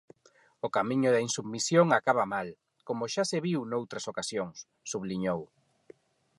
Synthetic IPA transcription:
ʊkamiɲʊðɐinsubmisjoŋakaβamal | komʊʃaseβiwnowt̪ɾɐsokasjoŋsːuβliɲow

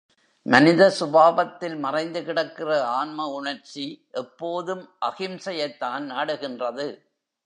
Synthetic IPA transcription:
mɐnɪðɐsʊbaːʋɐt̪ːɪlmɐrɐɪnd̪ɯkɪɽɐkːɪrɐaːnmɐʊɳɐɾt͡ʃːiʔɛpːoːðɯmʔɐɣɪmsɐjɐɪt̪ːaːnnaːɽɯɣɪndrɐðɯ

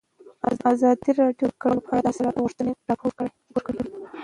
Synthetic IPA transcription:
ɑzɑd̪iɾɑɖjokaɽəlopəaɽad̪ɑselɑɣuʂt̪əneɖɑpʰoɾ | wəɾkaɽi

